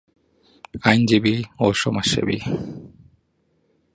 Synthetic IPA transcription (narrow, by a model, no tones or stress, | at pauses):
ajnd͡ʑibioʃomaʃḛbḭ